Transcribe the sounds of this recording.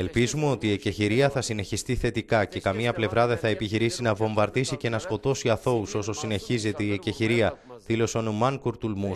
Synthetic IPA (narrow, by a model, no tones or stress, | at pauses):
e̞lpizumeo̞t̪iːeceçiɾiɐθɐsine̞çist̪iθe̞t̪ikɐce̞kɐmiɲɐple̞vɾɐðeθɐepiçiɾisinɐvo̞ɱbɐɾðisice̞nɐsko̞t̪o̞siɐθo̞uso̞so̞sine̞çize̞t̪e̞ieceçiɾiɐðilo̞seonumɐŋkuɾt̪ulmu